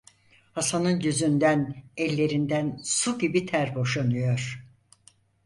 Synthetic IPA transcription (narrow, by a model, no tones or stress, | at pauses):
hasanɯnɟyzynd̪ænɛlʲːe̞ɾind̪ænsuɟibit̪ʰæɾbo̞ʃanɯjoɾ̥